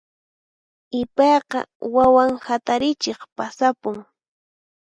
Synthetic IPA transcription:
ɪpɑjqɑ̰wawaŋhat̪aɾɪt͡ʃeχpasapʊŋ

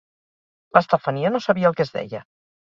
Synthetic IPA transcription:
ləst̪afaniənosaβiəlˠkezðɛ̰jə

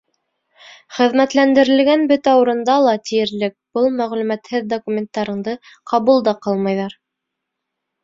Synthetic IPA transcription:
χɘ̆ðmæt̪lænd̪ɘ̆ɾɘ̆lɡænbɵt̪æuɾɤ̆nd̪ɑlˠɑt̪ijɘ̆ɾlɘk̚b̥ɤlˠmæʁlʉmæt̪hɘðd̪okumʲent̪ːɑɾɤ̆ɴd̪ɤ | qɑβulˠd̪ɑqɑlˠmɤjðɑɾ

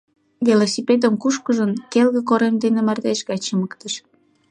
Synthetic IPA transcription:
velosʲiped̪əmkuʃkəʒənkelɣĕk̬oɾemd̪enemɑrd̪eʃɣɑt͡ɕəməkt̪əʃ

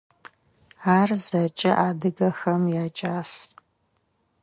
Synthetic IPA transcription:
aːrzɐt͡ʃʼɐ̰ʔaːdɨɡɐxɐmjaːt͡ʃʼaːs

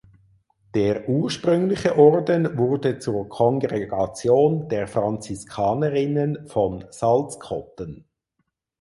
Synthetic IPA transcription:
d̥eːʁʔuːʃpʁʏŋlɪçəʔɔrdənvʊʁdət͡suːʁkʰɔnɡʁeɡ̥ɑt͡sjoːnd̥eːʁfʁɑnt͡sɪskʰɑːnəʁɪnənfɔnsɑlskʰɔtən

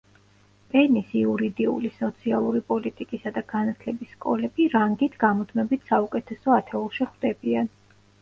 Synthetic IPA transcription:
pʼɛnisiuɾid̪iṵlisɔt̪sʰialˠuɾipʼɔlit̪ʼikʼisad̪aɡ̥anat̪ʰlɛbisːkʼɔlɛb̥iɾaŋɡit̪ʰɡamɔd̪ʰmɛbit̪ʰsaukʼɛt̪ʰɛsɔat̪ʰɛulˠʃiχd̪ɛbian

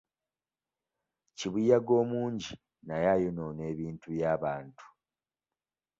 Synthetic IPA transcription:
ciβijaɡo̞ːmuːɲɟi | najajonone̞ːβiːntuβjaːβaːntu̥

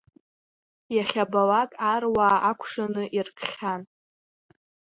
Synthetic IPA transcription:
jaχʲabalakʼarwaːʔakʷʰʂanɨʔirkʰχʲan

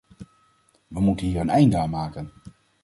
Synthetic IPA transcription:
ʋəmutənɦiːɹənɛjndəaːnmaːkən

